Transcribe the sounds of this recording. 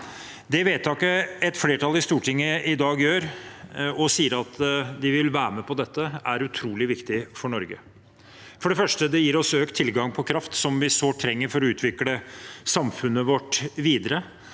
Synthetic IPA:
d̪ɛʋeːt̪ʰːɑːkəɛt̪fleːʈʰɑlɪst̪uːʈʰɪŋːəʔɪd̪ɑːɡjøːɾ | ɔsiːəɾɑt̪d̪ɪʋɪlʋæːɾməpʰɔd̪ɛt̪ːəæɾʉt̪ʰɾuːlɪʋɪkt̪ɪfɔɳɔɾɡə | fɔɖɛfœʂʈəd̪ɛjiːɾɔsøːkt̪ʰːɪlɡɑŋpʰɔkʰɾɑft̪sɔmʋɪsoːʈ̪ʰɾɛŋːəɾfɔɾɔʉːt̪ʰʋɪkləsɑmfʉnːəʋɔʈːʋiːd̪əɾə

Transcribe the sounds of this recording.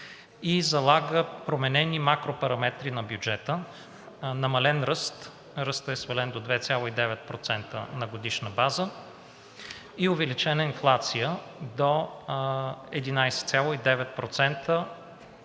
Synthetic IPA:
izɐlˠaɡəpɾomɛnɛnimakɾopɐɾɐmɛt̪ɾinɐbjud͡ʒɛt̪ə | nɐmɐlɛnɾɤst̪ | ɾɤst̪əɛsvɛlɛnd̪od̪vɛt̪sʲjalˠoid̪ɛvɛt̪̚pɾot̪sɛnt̪ə̰nɐɡod̪iʃnəbazə | iovɛlit͡ʃɛnəinflˠat̪sijə | d̪o | ɛd̪inajsɛ̥t̪sʲjalˠoid̪ɛvɛt̪̚pɾot̪sɛnt̪ə

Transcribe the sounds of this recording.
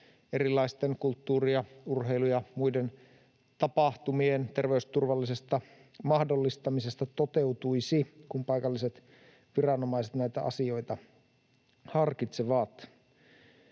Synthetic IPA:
e̞ɾilːˑɑist̪eŋkult̪ːuːriɑurɦe̞jlujɑmujden | t̪ɑpɑht̪umient̪e̞rʋe̞yst̪urʋɑlːise̞st̪ɑ | mɑhdo̞lːist̪ɑmise̞st̪ɑt̪o̞t̪e̞wt̪ujsikumpɑjkɑlːiset̪ | ʋirɑno̞mɑiset̪næjt̪æʔɑ̰sio̞jt̪ɑ | hɑrkit̪seʋɑːt̪

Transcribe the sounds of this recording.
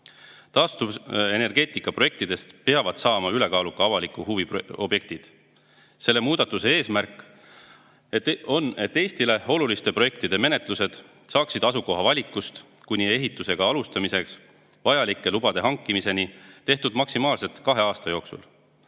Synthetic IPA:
t̪ɑːst̪uvene̞rɡe̞ːt̪ikːˑɑproe̞k̚t̪id̪̥e̞st̪peɑvɑd̪̥sɑːmɑyle̞kɑːlukːɑɑvɑlikˑːuhuvio̞b̥je̞k̚t̪id̪̥ | se̞lːe̞muːd̪ɑt̪ːˑuse̞e̞ːsmærkːˑ | eo̞ne̞t̪ːe̞ːst̪ile̞o̞lulist̪e̞pro̞je̞kt̪id̪̥e̞me̞ne̞t̪ˑluse̞d̪̥ | sɑːksid̪̥ɑsuko̞ɦɑvɑlʲikːˑust̪ | kujnʲie̞ɦit̪ːˑuse̞ɡ̥ɑɑlust̪ɑmise̞ks | vɑjɑlikːˑe̞lub̥ɑd̪e̞ɦɑŋkːˑimise̞nit̪e̞ht̪ud̪mɑksimɑːlse̞lt̪kɑɦe̞ɑːst̪ɑjo̞ːksṵl

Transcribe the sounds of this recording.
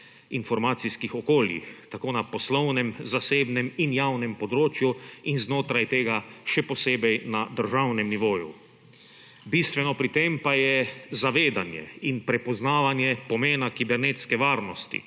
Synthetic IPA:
infɔɾmaːt̪siskixɔkoːljḭxt̪akoːnapɔslɔwnɛmzaseːbnɛminjawnɛmpɔd̪ɾoːt͡ʃjuinznoːt̪ɾajt̪eːɡaʃɛpɔseːbɛjnad̪əɾʒawnɛmniʋoːjṵ | bist̪ʋɛnɔpɾit̪eːmpajɛzaʋeːd̪anjɛ̰inpɾɛpɔznaːʋanjɛpɔmeːnakibɛɾneːt̪skɛʋaːɾnɔst̪ḭ

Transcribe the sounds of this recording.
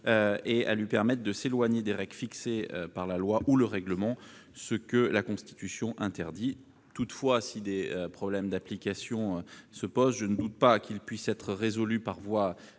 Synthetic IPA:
øea̰lɥipɛʁmɛt̪̚d̪əselwaɲed̪eʁɛɡlfiksḛpaʁlalwaʔuləʁɛɡləmɑ̃ | səkəlakɔ̃st̪i̥t̪ysjɔ̃ʔɛ̃t̪ɛʁd̪i | t̪ut̪fwasid̪eøpχɔblɛmd̪aplikasjɔ̃øsəpozʒənəd̪ut̪̚pakʲʰilpɥisɛt̪χəʁezɔlypaʁvwa

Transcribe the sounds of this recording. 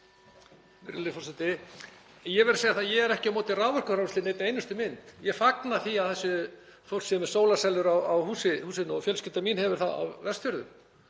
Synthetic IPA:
mɪ̰ɾlɪfɔsɛt̪ɪ | jɛvɛɾseːjaɾθaðjɛɣɛɾɛhcɪamɔːt̪ɪraːwvœr̥kʏfɾawmst̪ɪnejt̪ejnʏst̪ʏmɪnt̪jɛfaknaθiawθɛsːʏ | fɔr̥sɛmɛ̥soːwlasɛlʏɾawawhuːsɪhuːsɪnɔfjœlscɪt̪amiːnhɛvʏɾ̥θaða̰wvɛst̪fjʏɾðʏ̰m

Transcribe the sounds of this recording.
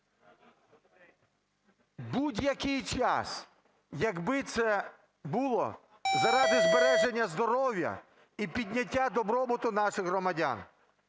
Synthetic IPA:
budʲjɐkɪjt͡ʃɑ̰s | jɐɡbɪt̪sɛ | bulˠɔ̰ | zɐɾɑd̪ɪzbeɾɛʒe̞nʲːɐzd̪ɔɾɔwʲjɐ̰ | ipʲid̪ʲnʲɐtʲːad̪ɔbɾɔbʊt̪ʊnɑʃɪɣɦrɔmɐdʲa̰n

